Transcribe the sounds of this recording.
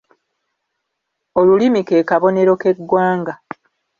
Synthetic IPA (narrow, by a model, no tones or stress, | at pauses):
o̞lulimike̞ːkaβo̞ne̞ɾo̞ke̞ɡːwaːŋɡa